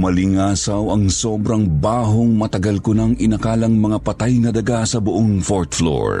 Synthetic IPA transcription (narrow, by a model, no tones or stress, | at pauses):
mɐlɪŋaːsɐwɐŋso̞bɾɐŋbaːɦoŋmɐt̪ɐɡɐlkʊnaŋɪnɐkaːlɐŋmɐŋapɐt̪ajnɐd̪ɐɡasɐbʊʔoŋfoɹt̪flo̰ɹ